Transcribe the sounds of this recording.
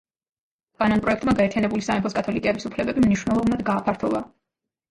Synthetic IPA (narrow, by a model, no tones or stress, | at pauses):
kʼanɔnpʼɾɔɛkʰt̪ʼmaɡaɛɾt̪ʰianɛbulisaɛmpʰɔskʼat̪ʰɔlikʼɛbisupʰlɛbɛbimniʃwnɛlˠɔvnad̪ɡaːpʰaɾt̪ʰɔvˠa